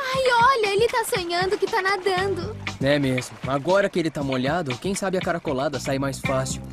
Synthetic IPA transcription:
ajɔʎɐelɪt̪asõɲɐ̃nd̪ʊkɪt̪anad̪ɐ̃nd̪ʊɛmezmʊaɡɔɾɐkɪelɪt̪amoʎad̪ʊkẽj̃sabɪɐkaɾakolad̪ɐsajmajsfasiw

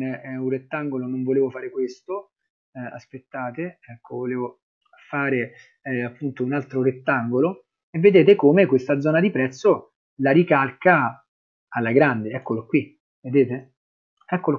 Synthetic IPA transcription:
nuret̪ːaŋɡolonoɱvoleːvofaːɾekwest̪o | a̰spet̪ːaːt̪eɛkːovoleːvo | faːɾe | apːunt̪ounalt̪ɾoret̪ːaŋɡolo | evːed̪eːt̪ekomekwest̪ad̪zɔːnad̪ipɾɛt̪sːo | laɾikalka | alːaɡɾand̪eɛkːolokwi | ved̪eːt̪e | ɛkːol

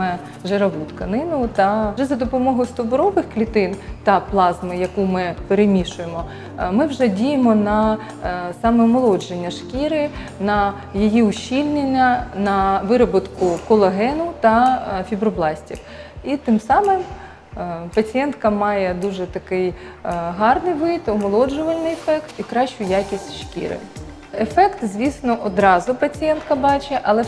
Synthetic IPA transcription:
ɛ | ʒeɾɐɦut̪kɐnɪnʊt̪ɐʒɛzɐd̪ɔpɔmɔɦʊjʊst̪ʊbɾɔʋɪxklʲit̪ɪnt̪ɐplˠɑzmɪjɐkumɪpeɾemʲiʃʊjemɔ | mɪwʒɛdʲijemɔnɐ | sɑmɛmɔlˠɔd͡ʒenʲːɐʃkʲiɾɪnɐ | jijiʊɕʲːilʲnʲenʲːɐnɐʋɪɾɔbʊt̪kʊkɔlˠɐɦɛnʊt̪ɐfʲibɾɔblˠɑsʲtʲḭf | it̪ɪmsɑmɪm | pɐt͡sʲijɛnt̪kɐmɑjɛd̪uʒɛt̪ɐkɪjɦɑrnɪjʋɪt̪ɔmɔlˠɔd͡ʒʊʋɐlʲnɪjefɛkt̪ikɾɑʃt͡ʃʊjakʲisʲtʲʃkʲḭɾɪ̰ | efɛkt̪zʲʋʲisnɔʔɔd̪ɾɑzʊpɐt͡sʲijɛnt̪kɐbɑt͡ʃeʔɐlˠɛ

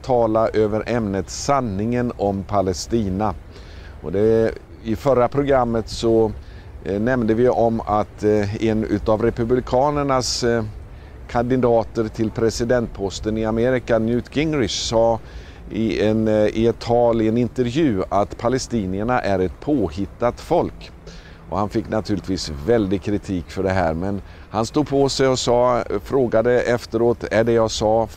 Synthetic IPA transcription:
t̪ʰɑːlaʔøːvəɾʔɛmnət̪sanːɪŋənɔmpʰalɛst̪iːna | ʔɔd̪ɛ | ɪfœɾapʰɾʊɡɾamːət̪sɔ | nɛmnd̪əvɪɔmat̪ɛnʉ̟̰ːt̪avɾɛpɵblɪkʰɑːnəɳas | kʰand̪ɪd̪ɑːt̪əɾt̪ʰɪlpʰɾɛsɪd̪ɛnt̪̚pʰɔst̪ənɪameːɾɪkanjʉːt̪ɡɪŋɾɪʂsɑː | ɪɛnɪɛt̪ʰːɑːlɪɛnɪnt̪əɾvjʉ̟ːat̪pʰalɛst̪iːnɪəɳaʔæɾɛt̪pʰoːhɪt̪ːat̪fɔlk | ʔɔ̰hanfɪkːnat̪ʰʉɾlɪt̪viːsvɛld̪ɪɡ̚kʰɾɪt̪ʰiːkfœɖɛɦæ̰ːɾmɛn | hanst̪uːd̪pʰɔsɛjɔsɑːfɾoːɡad̪əɛft̪əɾoːt̪æɖɛjɑsɑː

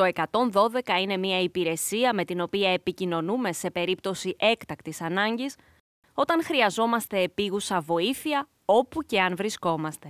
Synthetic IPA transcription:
to̞e̞kɐt̪o̞nðo̞ðe̞kɐine̞miɐipiɾe̞siɐme̞t̪ino̞piɐe̞picino̞nume̞se̞pe̞ɾipt̪o̞siʔe̞kt̪ɐkt̪isɐnɐɲɟis | o̞t̪ɐnxɾiɐzo̞mɐst̪e̞ːpiɣusɐvo̞iθiɐ | o̞puce̞ɐnvɾisko̞mɐst̪e̞

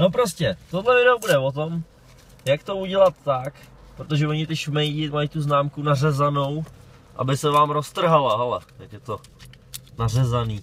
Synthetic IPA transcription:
no̞pɾoscɛt̪odlɛvɪdɛobudɛvot̪o̞m | jakt̪o̞uɟɛlat̪ːak | pɾot̪o̞ʒɛoɲɪt̪ɪʃmɛjɟɪmajit̪uznaːmkunarɛzano̞w | ʔa̰bɪsɛvaːmɾost̪r̩ɦalaɦɛlɛ̰jakjɛt̪o | narɛzaniː

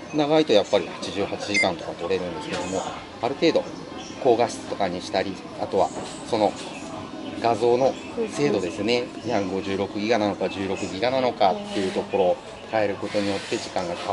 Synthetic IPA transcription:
naɡait̪o̞japːaɾʲihḁt͡ɕiʑɨːhat͡ɕiʑikãnt̪o̞kat̪o̞ɾe̞ɾɯ̟̃nd̪e̞sɨ̥ke̞d̪o̞mo̞ | aɾɯ̟t̪e̞ːd̪o̞ | ko̞ːɡaɕi̥t̪o̞kaɲ̟iɕi̥t̪aɾʲi | at̪o̞βa̰ | so̞no̞ | ɡazo̞ːno̞ | se̞ːd̪o̞d̪e̞sɨne̞ | ɲakɡo̞ʑɨːɾo̞kɯ̟ɡʲiɡanano̞kaʑɨːɾo̞kɯ̟ɡʲiɡanano̞kat̪ːe̞jɯ̟t̪o̞ko̞ɾo̞ː | kae̞ɾɯ̟ko̞t̪o̞ɲ̟ijo̞t̪ːe̞ʑikãŋɡaka

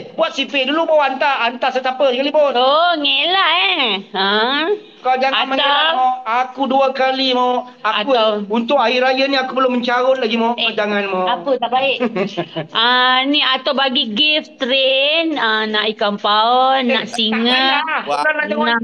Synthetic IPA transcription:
buat̪̚sipɪduluboant̪aant̪asət̪apəkalipʊnoŋelaeə | kad͡ʒaŋanmaɲaaakuduakalima | aaktuawunt̪ʊkaɪɾajaniakupəlʊməɲt͡ʃaɾʊnlaɡimaʔad͡ʒaŋanmaapət̪aʔbaɪʔ | əniat̪awbaɡiɡɪft̪ɾenənaʔikampaənːaʔsiŋəaanaana

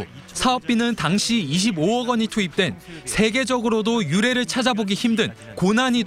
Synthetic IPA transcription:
sʰaʌp̚p͈inɯntaŋɕʰiiɕ̬ʰiboʌɡʌɲitʰoip̚t͈we̞nsʰe̞ɡe̞d͡ʑʌɡɯɾodojuɾe̞ɾɯɭt͡ɕʰad͡ʑaboɡiçimdɯn | konaɲid

